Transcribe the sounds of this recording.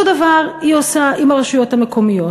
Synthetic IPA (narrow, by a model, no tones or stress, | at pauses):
odavaʁhiosaʔimaʁeʃujothame̞kʰo̞mijo̞